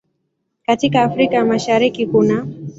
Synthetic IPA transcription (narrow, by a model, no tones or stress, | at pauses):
katikaːfɾikajamaʃaɾikikuna